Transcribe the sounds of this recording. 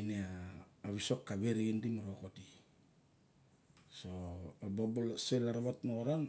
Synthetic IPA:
neaːβiso̞kːaβeɾeɡindimaɾokoti | soabobolselaɾaβatnoɣoɾan

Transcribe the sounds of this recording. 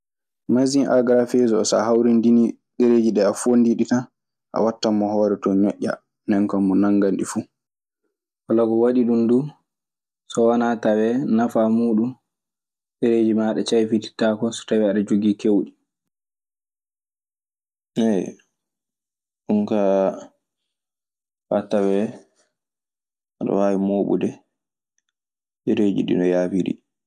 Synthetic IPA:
mazinʔa̰ɡɾafezɔɔsa̰hawɾindini | ɗeɾeːd͡ʒiɗɛafondiɗita | ʔa̰watːamːɔhɔːɾɛtɔɲɔ̰ʔːa̰ | nɛŋkamːɔnaŋɡanɗifu | walaɡɔwaɗiɗumdu | sɔwanatawɛnafamuːɗun | ɓɛɾeːd͡ʒimaɗɛt͡ʃajfiti̥takɔsɔ̥tawɛaɗad͡ʒoɡikewɗi | nɛ | ɗuŋka | fatawɛ | aɗɔ̰waːwimoːɓṵdɛ | eɾeːd͡ʒḭɗḭnɔjaːfiɾḭ

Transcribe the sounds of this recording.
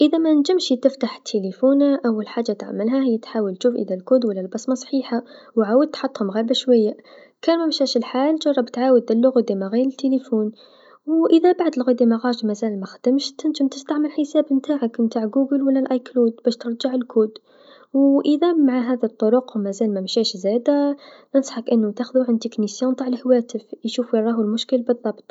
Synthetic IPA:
ʔɪðamænd͡ʒɪmʃt̪ɪft̪aħt̪ʰːelefuːnaʔawːalħaːd͡ʒːat̪ʕa̰mːɪlɦahɪjːat̪ħaːwəlt̪ʃuːfʔɪðalkuːd̪walːalbæsˤmɑsˤħiːħa | wʕaːwəd̪̚t̪ħɑt̪ˤːhʊmɣaɾbaʃwajːa | kæːnmamʃæːʃɪlħaːlʒɑrˤːɑbt̪ʕaːwəd̪̚ːɪlːʊɣad̪imaɣeːɾɪt̪ːelefuːn | wʔɪðabaʕd̪lɣad̪imaɣɑːˤʒmazaːlmaxad̪̥ɪmʃt̪ɪnt̪ʊmt̪əst̪aʕməlħəsæːbmt̪aːʕakmt̪aːʕɡuːɡəlwəlːælʔɑjklud̪bæːʃt̪əɾˤʒaʕəlkuːd̪ | wʔəðæmaʕaɦæðit̪ˤːoɾʊqmæzæːlmæmʃæʃzæːd̪anənsˤħɑkʔənːʊt̪axðuʕɪnd̪iknisjunt̪ˤaːʕəlhawæːt̪əfjʃuːfɾˤɑːɦulmʊʃkəlbɨðˤːɑbt̪ˤ

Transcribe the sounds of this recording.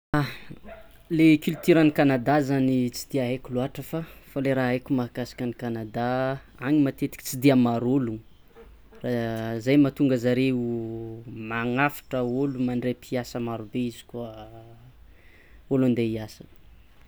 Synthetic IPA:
a | lekilut̪iɾanikanad̪azanit͡sid̪iaɦekuluaʈ͡ʂəfafaleɾaekʲumaɦakasi̥kʲənikanad̪a | aŋimat̪et̪i̥kʲi̥t͡sid̪iamaɾolu | razajmat̪uŋɡəzaɾeu | maŋafḁʈ͡ʂəolumaɳɖ͡ʐepʰiasəmaɾubeizi̥kuə | oland̪eiasə

